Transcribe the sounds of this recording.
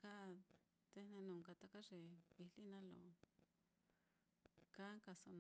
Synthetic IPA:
ka˦˨ | t̪e˦nẽ˧nũ˨ŋka˧t̪a˦ka˦ʐe˨βi˧li˦nã˦lo̰˨ | ka˦ŋka˧so˧ñ˧

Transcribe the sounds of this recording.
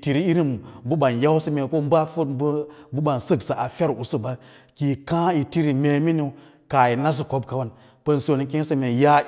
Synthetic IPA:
ti˨ɾi˦i˦ɾi˦mbu˦ɓa˨nja˦wsə˦me˨ko˦m˦ba˦fbu˦ɓa˨nsə˦ɡsa˨ʔa˨fe˦ɾu˨su˦ba˦ | ki˨kã˦i˨ti˦ɾi˨me˨mi˦ni˨˦ | ka˨ji˨na˦z̬u˦ko˦bka˨wa˦˨n | pə˦nso˨ni˨kĩ˦n˦sə˦me˨ja˦

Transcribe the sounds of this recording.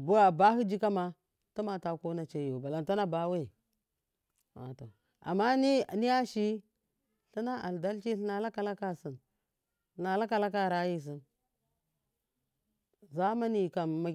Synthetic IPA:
bu˦a˨ba˦ɦi˦d͡ʒi˦ka˦ma˦ | ta˦ma˨ta˨ko˦na˨t͡ʃe˦jo˨ba˨la˨n˨ta˦na˦ba˦we˦˨ | wa̰˨to˨ | a̰˨mːa˦ni˦˨ni˦a˦ʃi˦ | ɬi˦na˦ʔa̰˨lda˦lt͡ʃi˦ɬna˨la˦ka˦la˦ka˦si˨n˨ | na˨la˦ka˨la˦ka˦˨ɾa˦ji˦˨s̬i˦n | za˦ma˦ni˨ka˨mma˦

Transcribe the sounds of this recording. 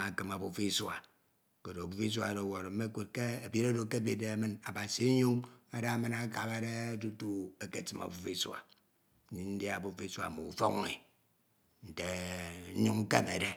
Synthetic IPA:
a˨kɨ˨ma˨bu˦fi˦swa˨ | ko˨ɾo˨a˨bu˦fi˦s̬wa̰˨ɾe˨wo˨ɾm̩˦me˦kʷo˨t̚ke˦e˨be˦ɾo˦do˨ke˦be˦de˨a˨mɨ˦na˨ba˨si˨˦ɲu˦ŋa˦da˦mɨ˦na˦ka˨be˦de˦tu˦tu˦e˨ke˨ti˨ma̰˨bu˦fi˦sa̰˨˦ | ɲi˦n̩˦dja˨bu˦fi˦swa̰˨mo̰˨u˨fo˦ŋːe˨ | n̩˨te˨˦ɲu˦ŋ̩˦ke˦me˨de˦

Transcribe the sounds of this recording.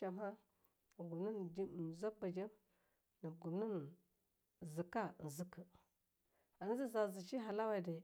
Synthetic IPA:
a˨ma˦˨ | ɡu˨mnə˦n˨d͡ʒi˦˨za˦ba˨d͡ʒi˦m | nə˨ɡu˨mni˦n˨ | zi˨ka˦˨zi˦kə˨ | a˨ni˦zi˦za˨zi˨t͡ʃi˦ɦa˨la˦wa˦˨da˨

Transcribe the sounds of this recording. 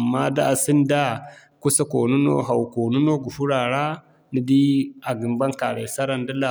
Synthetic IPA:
mːa˦da̰˦a˨si˦nda˦ | ku˦sa˦ko˨nu˦no̰˦ɦa˨wu˨ko˨nu˦no˦ɡu˨hu˦ɾa˨ɾa˦ | ni˨di˦a˨ɡi˨mba˦ŋka˨ɾe˨sa˦ɾa˦˨ndi˦la˨

